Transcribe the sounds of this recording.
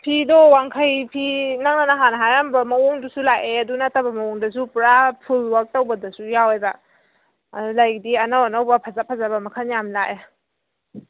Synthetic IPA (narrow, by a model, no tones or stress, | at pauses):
pʰidɔwaŋkʰajpʰinaŋ̚nanaɦanaɦajambamɐuŋdusulajʔeɐdunatabamɐuŋdasupɾapʰulwak̚tawbɐdasujaweba̰ | dulajdiɐnawanawbɐpʰazapʰazabamɐkʰanjamlaʔe